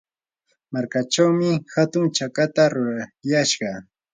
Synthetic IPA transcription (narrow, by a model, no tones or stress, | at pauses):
maɾkat͡ʃawmɪhat̪ʊŋt͡ʃakat̪aɾʊɾajaʃɢɑ